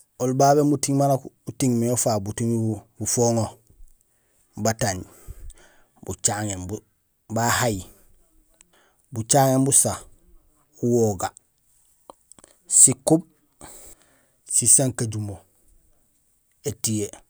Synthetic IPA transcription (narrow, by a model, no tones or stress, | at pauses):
olbaβemutiŋmanakuutiŋmiofabutiŋbufoŋo | bataɲ | but͡ʃaŋembu | bahaj | but͡ʃaːŋembusa | uwoɡa | sikub̚ | sisaŋkaɟumo | etije